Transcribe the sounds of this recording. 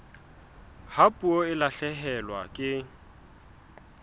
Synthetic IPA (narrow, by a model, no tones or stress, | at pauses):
hapʼuoɪlaɬɛɦɛlwa̰kʼɪ